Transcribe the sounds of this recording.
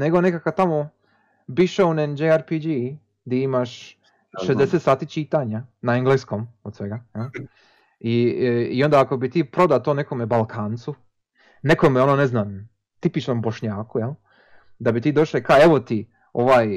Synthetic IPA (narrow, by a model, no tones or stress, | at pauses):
ne̞ɡo̞nekakat̪amo | biʃeunend͡ʒeaɾpid͡ʒi | d̪iimaʃ | ʃezd̪eset̪saːt̪it͡ʃit̪aɲanaeŋɡleːsko̞mod̪sʋe̞ɡajel | iio̞nd̪aako̞bit̪iːpɾo̞d̪at̪oːne̞komebalˠkʰaːnt̪su | ne̞ko̞meo̞noneznam | t̪ipit͡ʃnomboʃɲaːkujel | d̪abit̪iːd̪o̞ʃlekaeʋo̞t̪i | oʋaːj